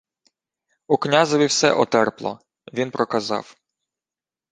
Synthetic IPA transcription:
uknʲazɔʋʲiwsɛ̰ʔɔt̪ɛrplˠɔ̰ | ʋʲinpɾɔkɐzɑ̰w

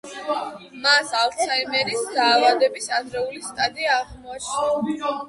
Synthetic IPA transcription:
masalt̪sʰaimɛɾisd̪aːvad̪ɛbisad̪ɾɛulist̪ʼad̪iaːʁmaʃi

